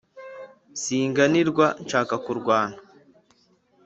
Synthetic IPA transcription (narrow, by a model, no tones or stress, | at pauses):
siːŋɡaniɾɡʷwant͡ʃakakuɾɡwaːna